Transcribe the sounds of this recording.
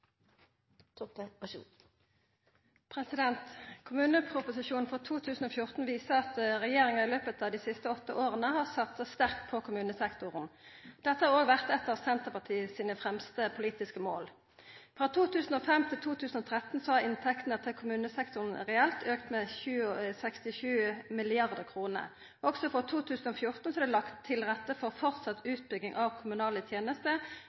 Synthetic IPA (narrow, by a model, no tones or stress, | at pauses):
pʰʁɛsɪd̪ɛnt̪kʰʊmʉːnəpʰʁʊpʊsɪʃuːnfʁɔt̪ʰuːt̪ʰʉːsn̩oːfjʊʁt̪n̩ʋiːsəʁɑt̪ʁɛjeːʁɪŋɑʁɪløːpət̪ɑːd̪iːsɪst̪əɔt̪ːəʔoːʁənəhɑːʁsɑt̪sɑst̪æʁk̚t̪̚pʰɔkʰʊmʉːnəsɛkt̪ʊʁənd̪̥ɛt̪əhɑːʁoːɡʋæʁt̪ɛt̪ːəʁsɛnt̪əʁpɑt̪ʰiːəsiːnəfʁɛmst̪əpʰʊliːt̪ɪskəmoːl | fʁɑːt̪ʰuːt̪ʰʉːsn̩ɔfɛmt̪ʰɪlt̪ʰuːt̪ʰʉːsn̩ɔːt̪ʰʁɛt̪n̩sɔɑɪnt̪ʰɛkt̪nət̪ʰɪlkʰʊmʉːnəsɛkt̪ʊʁn̩ʁɛɛlt̪ʰøːkt̪mɛçʉːsɛkst̪ɪʃʉːmɪlɪɑʁd̪əkʰʁuːnə̰ | ʔɔɡsɔfɔʁt̪ʰuːt̪ʰʉːsn̩ɔfjʊʁt̪n̩sɔɑd̪ɛlɑkt̪ʰːɪlʁɛt̪ːəfɔʁfɔʁt̪sɑt̪ʉːt̪̚bʏɡɪŋʔɑʋkʰʊmʉnɑːlət̪ʰjeːnəst̪ə